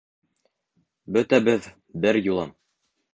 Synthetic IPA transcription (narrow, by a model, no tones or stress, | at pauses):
bɵt̪æbɘð | bɘɾjulˠɑm